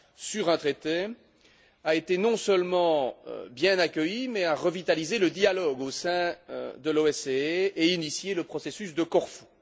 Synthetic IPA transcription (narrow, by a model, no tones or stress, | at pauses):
syʁɛ̃t̪χet̪e | aet̪enɔ̃səlmɑ̰̃bjɛ̃nakʲəjimɛaʁəvit̪alizeləd̪jalɔɡosɛ̰̃d̪əloɛseeinisjeləpχɔsesysd̪əkɔʁfu̥